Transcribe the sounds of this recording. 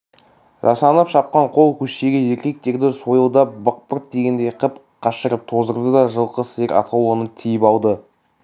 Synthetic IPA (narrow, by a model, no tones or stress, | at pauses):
ʒɑsɑnəpʃɑp̚qɑɴqʰo̞lˠkʲʰɵʃe̞ɡʲeje̞ɾkʲe̞k̚t̪e̞ɾd̪ɪso̞jəlˠd̪ɑpbəq̚pəɾt̪̚d̪e̞ɡʲe̞nd̪ejqʰəp | qʰɑʃəɾəp̚t̪ʰo̞zəɾd̪əd̪ɑʒəlˠqəseɾɑ̰t̪ʰɑwlˠənət̪ʰijɪpɑlˠd̪ə